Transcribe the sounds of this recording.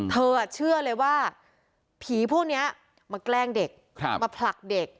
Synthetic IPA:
t̪ʰɤː˧a˨˩t͡ɕʰɯ˥˩ɐlɤː˧jwaː˥˩ | pʰiː˨˩˦pʰuː˥˩k̚ni˦˥ɐ | maː˧klɛː˥˩ŋde˨˩k̚ | ma˧pʰla˨˩k̚de˨˩k̚

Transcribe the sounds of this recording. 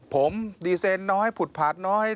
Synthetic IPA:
pʰo˨˩˦mdiː˧seː˧nːɔː˦˥ha˥˩jpʰu˨˩t̪̚pʰa˨˩t̪̚nɔː˦˥ha˥

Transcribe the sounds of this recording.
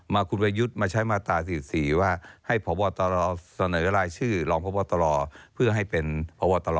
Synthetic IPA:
maː˧kʰu˧npʰa˧ju˦˥t̪̚maː˧t͡ɕʰa˦˥jmaː˧t̪aː˨˩siː˨˩siː˨˩˦waː˥˩ha˥˩jpʰɔː˨˦bɔː˧t̪a˧lɔː˧sa˧nɤː˨˩˦ɾaː˧jt͡ɕʰɯː˥˩lɔː˧ŋpʰɔː˨˦bɔː˧˩t̪a˧lɔː˧pʰɯ˥˩ɐɦa˥˩jpe˧npʰɔ˨˦bɔː˧t̪a˧lɔː˨˩

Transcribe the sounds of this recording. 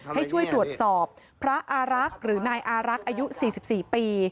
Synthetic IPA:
ha˥˩jt͡ɕʰu˥˩əjt̪ɾu˨˩ə˩t̪̚sɔː˨˩p̚ʰːɾa˦˥ʔaː˧ɾa˦˥k̚ɾɯː˩˦naː˧jʔaː˧ɾa˦˥k̚ʔaː˧ju˦˥siː˨˩si˨˩p̚siː˨˩piː˧

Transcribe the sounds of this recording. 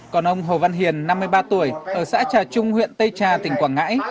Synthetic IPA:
kɔ˨˩nʔə˧wŋ͡mɦo˨˩va˧nɦi˨˩ənːa˧mːɨ˧əjɓaː˧t̪u˧˩əjʔəː˧˩sa̰ː˧˥t͡ɕaː˨˩t͡ɕʊ˧ŋ͡mhwḭ˧˨ənt̪ə˧jt͡ɕaː˨˩t̪ï˧˩ŋ̟kwaː˧˩nŋa̰ː˧˥j

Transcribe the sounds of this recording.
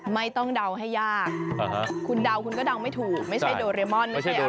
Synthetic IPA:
ma˥˩jt̪ɔ˥˩ŋda˧wɦa˥˩jːaː˥˩k̚a˦u˧nda˧wkʰu˧nkɔː˥˩da˧wma˥˩jt̪ʰuː˨˩k̚ma˥˩jt͡ɕa˥˩doː˧ɾe˧mɔ˥˩nːa˥˦˥j

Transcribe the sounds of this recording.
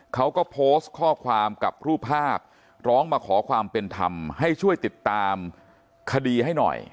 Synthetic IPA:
kʰa˦˥wkɔː˥˩pʰoː˦˥s̚kʰɔː˥˩kʰwaː˧mka̰˨˩p̚ɾuː˥˩pʰːaː˥˩p̚ | ɾɔː˦˥ŋmaː˧kʰɔː˩˦kʰwaː˧mpe˧nt̪ʰa̰˧mha˥˩jt͡ɕʰu˥˩əjt̪i˨˩t̪ːaː˧m | kʰa˧diː˧ɦa˥˩jnɔ̰˨˩j

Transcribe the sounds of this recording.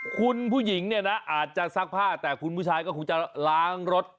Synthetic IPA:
kʰu˧npʰuː˥˩ji˩˦ŋni˥˩ɐna˦˥ʔaː˨˩t̪̚t͡ɕa˨˩sa˦˥k̚pʰaː˥˩t̪ɛː˨˩kʰu˧npʰuː˥˩t͡ɕʰaː˧jkɔː˥˩kʰu˧˩ŋt͡ɕa˨˩laː˦˥ŋɾo˦˥t̪̚

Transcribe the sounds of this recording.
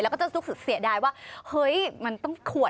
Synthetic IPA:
jlɛ˦˥wkːɔː˥˩t͡ɕːt̪u˦˥ksɯ˨˩si˩˦ədaː˧jwaː˥˩hɤ˦˥jma˧nt̪ɔ˥˩ŋkʰu˨˩ə

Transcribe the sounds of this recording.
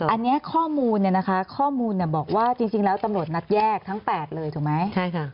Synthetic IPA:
ʔa˧nːi˦˥ɐkʰɔː˥˩muː˧nːi˨˩na˦˥kʰa˦˥kʰɔː˥˩muː˧nːi˧˩bɔː˨˩k̚waː˥˩t͡ɕi˧ŋt͡ɕi˧ŋlɛː˦˥wt̪a˧mɾu˨˩ət̪̚na˦˥t̪̚jɛː˥˩k̚t̪ʰa˦˥ŋpɛː˨˩t̪̚lɤː˧jt̪ʰu˨˩k̚ma˦˥jt͡ɕʰa˥˩jkʰa˥˩

